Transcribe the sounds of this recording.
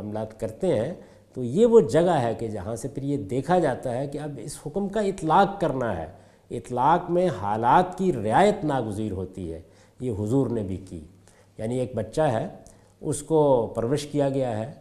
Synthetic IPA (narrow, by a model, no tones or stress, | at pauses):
əmlaːt̪kɐɾt̪eɦɛ̃ | t̪ojeʋod͡ʒɐɡaɦɛked͡ʒɐɦãsepʰɪɾjed̪eːkʰad͡ʒaːt̪aɦɛkiɐbɪ̰shʊkmkaɪt̪laːkːɐɾnaɦɛ̰ː | ɪt̪laːkmẽɦaːlaːt̪kiɾɪaːjət̪naːɡʊziːɾɦoːt̪iɦɛ̰ː | jeɦʊzuːɾnebʱikḭː | jaːnieːk̚bɐtːʃaɦɛː | ʊskopɾəʋɪʃkijaɡɐjaɦɛː